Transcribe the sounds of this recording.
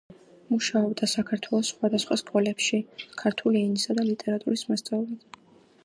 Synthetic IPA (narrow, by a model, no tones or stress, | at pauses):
muʃaɔbd̪asakʰaɾt̪ʰwɛlˠɔsːχwad̪asχwaskʼɔlɛpʃikʰaɾt̪ʰuliɛnisad̪alit̪ʼɛɾat̪ʼuɾismast̪sʼɛlid̪